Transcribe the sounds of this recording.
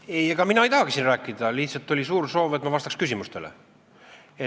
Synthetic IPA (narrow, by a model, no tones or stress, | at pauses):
ejeɡ̥ɑminɑejt̪ɑhɑksinræːkːˑid̪̥ɑliht̪sɑlt̪ːˑolʲisuːrso̞ːvet̪mɑvɑst̪ɑkskys̬ʲimust̪elḛ | e